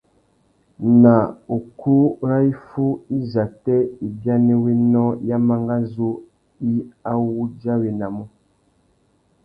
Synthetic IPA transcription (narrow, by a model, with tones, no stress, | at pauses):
na˨o˨ku˦ɾa˦i˦fu˦i˦za˨tɛ˦i˨bja˦ne˦we˦nɔ˦ja˦ma˦ŋɡa˦zu˦ | i˦a˦wu˦d͡ʒa˦we˨na˨mu˦